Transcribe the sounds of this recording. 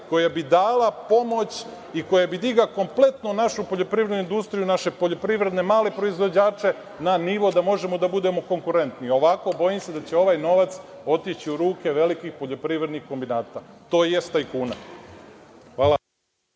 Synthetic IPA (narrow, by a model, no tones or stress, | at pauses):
ko̞jabid̪aːlapo̞mo̞t͡ɕ | iko̞jabid̪iɡako̞mple̞t̪nonaʃupo̞ʎo̞pɾiʋɾe̞d̪nuind̪ust̪ɾijunaʃe̞po̞ʎo̞pɾiʋɾe̞d̪ne̞maːle̞pɾo̞izʋo̞d͡ʑaːt͡ʃe̞ | naniʋo̞d̪amo̞ʒe̞mod̪abud̪e̞mo̞ko̞ŋkuɾe̞nt̪nio̞ʋako̞bo̞jimsed̪at͡ɕe̞o̞ʋaːjno̞ʋat̪so̞t̪it͡ɕiuɾuːke̞ʋe̞likixpo̞ʎo̞pɾiʋɾe̞d̪nixko̞mbinaːt̪at̪o̞ːje̞st̪aikuːna | xʋaːla